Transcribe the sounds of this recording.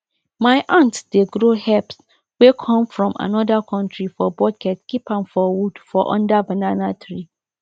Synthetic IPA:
mãɪʔãntd̥eɡɾohɛps | wekʰɔ̃mfɹɔ̃ma̰nɔdakʰɔ̃ntʰɹifɔbɔkʰɛtkʰipʰãnfɔwud̥fɔʔɔ̰̃ndabanãnatʰɹi

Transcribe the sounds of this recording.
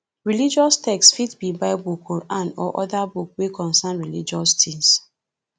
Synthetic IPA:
ɹilid͡ʒɔstɛkstfitbibaɪbukʰɔɹãnɔ̰ʔɔdabuk̚wekɔ̃nsanɹilid͡ʒɔstĩŋs

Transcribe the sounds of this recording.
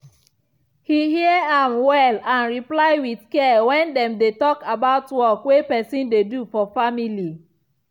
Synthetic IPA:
hihiəãmwɛlãnɹiplaɪwidkɛwɛ̃ndɛ̃mdetɔkabaʊtwɔkwepɛsĩndedufɔfamili

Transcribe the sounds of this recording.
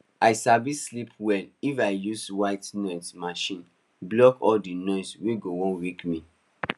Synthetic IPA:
aɪsabislipʰwɛlifaɪjuswaɪtnɔsmaʃĩn | blɔkɔldinɔɪsweɡowõnɹikmĩ

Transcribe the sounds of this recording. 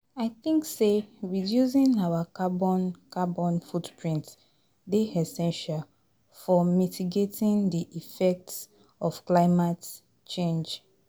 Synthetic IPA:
aɪθĩŋkseɹidjus̬ĩnawakabɔ̃nkabɔ̃nfutpɹĩnt | deɛsɛ̃nʃal | fɔmitiɡetĩndiʔifɛk̚ts | ɔfklaɪmat | t͡ʃẽnd͡ʒ

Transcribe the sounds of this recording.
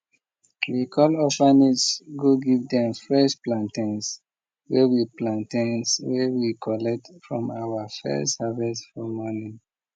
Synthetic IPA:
wikʰɔlɔfanisɡoɡivdɛ̃mfɹɛsplãntãns | wɛwiplãntãnswɛwikʰɔlɛk̚tfɹɔ̃mawafɛ̰savɛsfɔmɔnĩn

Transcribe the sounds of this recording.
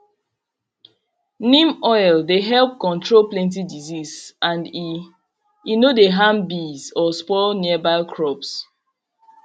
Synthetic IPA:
nĩmɔjldeɦɛlˠp̚kɔ̃ntʰɹolplɛ̃ntidizisãndi | inodeɦãmbizɔspɔniəbaɪkʰɹɔps

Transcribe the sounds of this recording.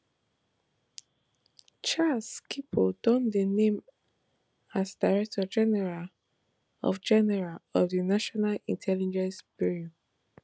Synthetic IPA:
t͡ʃalskipʰodɔ̃ndənẽm | asdaɹɛk̚tʰɔd͡ʒɛnɛɹal | ɔ̰fd͡ʒɛnɛɹalɔfdinaʃɔnalḭ̃ntʰɛlid͡ʒɛ̃nsbiɹɔ

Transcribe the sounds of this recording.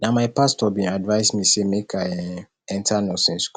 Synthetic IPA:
nãmaɪpʰastɔbĩadvaɪsmĩsemekʰaɛ̃ | ɛ̃ntʰanɔ̃sɪ̃nsk

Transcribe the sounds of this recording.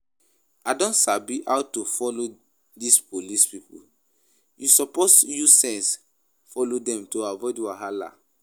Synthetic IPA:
adɔ̃ntsabiʔawtofɔlo | dispolispipṵ | jusɔposjusɛ̃ns | fɔlodɛ̃mtoavɔɪdwaɦala̰

